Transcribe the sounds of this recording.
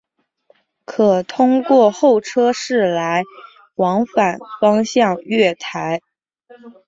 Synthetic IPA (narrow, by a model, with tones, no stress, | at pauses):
kʰɤ˨˩t̪ʰʊ˥ŋkwɔ˥˧xo˥˩ʊʈ͡ʂʰɤ˥ʂɻ̩˥˩la˧˥ɪ | wɑ˧˥ŋfa˨˩nfɑ˥ŋɕjɑ˥˧ŋɥɛ˥˩t̪ʰa˧˥ɪ